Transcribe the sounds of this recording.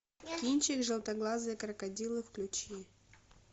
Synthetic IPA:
kʲinʲt͡ɕɪkʐɨlˠt̪ɐɡlˠazɨːkɾɐkɐdʲilˠɨfklʲʊt͡ɕi

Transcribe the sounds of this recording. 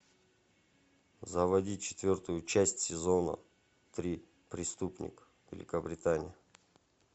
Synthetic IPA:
zəvɐdʲit͡ɕɪ̥t̪vʲort̪ʊjʊt͡ɕæsʲtʲsʲɪzonə̰ | t̪ɾʲi | pɾʲɪst̪upnʲɪ̰kə̥ | vʲɪ̰lʲɪkəbɾʲɪt̪anʲɪ̰jə

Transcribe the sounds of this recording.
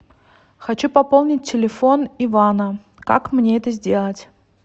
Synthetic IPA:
xɐt͡ɕupɐpolˠnʲɪt̚ʲtʲːɪlʲɪfo̞nivanə | ka̰kmnʲeɛt̪əzʲdʲelˠətʲ

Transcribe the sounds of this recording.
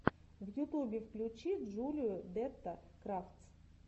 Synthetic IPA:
vjʊt̪ubʲɪfklʲʊt͡ɕid̪ʐulʲɪjʊd̪ɛt̪ːəkɾaft̪s

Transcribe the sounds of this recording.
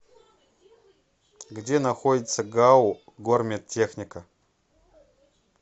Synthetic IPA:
ɡdʲe̞naxodʲɪt̪sɐɡawɡormʲet̪̚tʰʲːe̞xnʲikɐ

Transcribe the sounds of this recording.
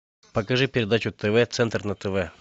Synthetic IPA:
pɐkɐʐɨpʲɪɾʲɪd̪at͡ɕʊt̪ɛvɛt̪sɛnt̪rnɐt̪ɛvɛ

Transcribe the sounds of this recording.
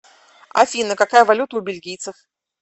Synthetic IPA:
a̰fʲinəkakajəvalʲut̪əʊbʲɪlʲɡʲijt̪səf

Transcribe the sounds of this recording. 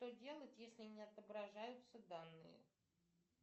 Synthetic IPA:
ʂt̪odʲe̞lˠətʲjesʲlʲɪnʲɪɐt̪əbɾɐʐajʊt̪səd̪anːɨ̰jɪ̰

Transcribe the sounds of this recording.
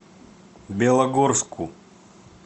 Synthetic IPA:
bʲɛlˠɐɡɔrsku

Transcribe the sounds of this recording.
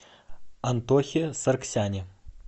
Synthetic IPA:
ɐnt̪oxʲesɐrksʲanʲɪ

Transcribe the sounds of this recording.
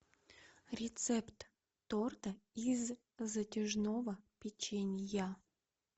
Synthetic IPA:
ɾʲɪt̪sɛpt̪ː | ort̪əiz | zətʲɪʐnovəpʲɪt͡ɕenʲɪja

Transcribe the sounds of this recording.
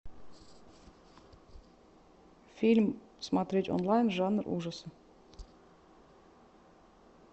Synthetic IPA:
fʲilʲm | smat̪ɾʲetʲo̰nlˠajnʐanərʔṵʐəsə

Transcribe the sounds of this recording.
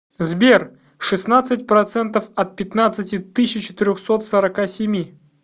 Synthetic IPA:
zbʲer | ʂɨsnat̪sɨt̚ʲpɾɐt̪sɛnt̪əfɐt̪̚pʲɪt̪nat̪sɨtʲɪt̪ɨɕʲɪt͡ɕɪ̥t̪ɪɾʲoxsot̪səɾɐkasʲɪmʲi

